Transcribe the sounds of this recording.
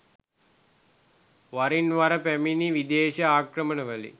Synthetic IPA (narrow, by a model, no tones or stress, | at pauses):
ʋaɾinʋaɾəpæminiʋid̪eːʃɐaːkrəmənəʋəlḭ